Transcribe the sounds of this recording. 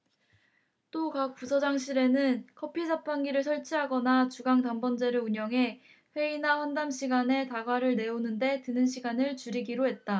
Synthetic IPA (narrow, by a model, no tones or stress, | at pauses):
t͈okak̚p͈usʰʌd͡ʑaŋɕ̬ʰiɾe̞nɯnkʰʌpʰisʰap͈aŋɡiɾɯɭsʰʌɭt͡ɕʰiɦaɡʌnat͡ɕuɡaŋtambʌnd͡ʑe̞ɾɯuɲʌŋɦe̞ | ɸwe̞inaɸwandamɕʰiɡane̞taɡwaɾɯɭne̞onɯnde̞tɯnɯnɕʰiɡanɯɭt͡ɕuɾiɡiɾoɦe̞t̚t͈a